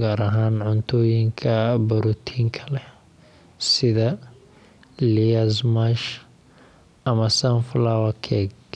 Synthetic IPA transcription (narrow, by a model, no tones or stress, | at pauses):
ɡaːɾɐɦaːnʕʊnt̪ʰɔːjɪŋkʰɐbɐɾʊt̪ʰiːŋkʰɐ̥lɛ | sɪðɐ | liɐsmaʃ | ʔɐmɐsɐnflawɐkʰɛɡ